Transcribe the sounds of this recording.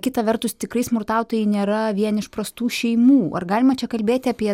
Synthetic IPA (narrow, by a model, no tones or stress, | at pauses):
kʲɪt̪ɐʋʲɛrt̪ʊst̪ʲɪkɾɐɪsmʊrt̪ɑʊt̪oːjɛɪnʲeːɾɐʋʲiɛnɪʃpɾɐst̪uːʃʲɛɪmuːɐ̰rɡɑːlʲɪmɐt͡ʃʲɛkɐlʲbʲeːt̪ʲɪɑːpʲiɛ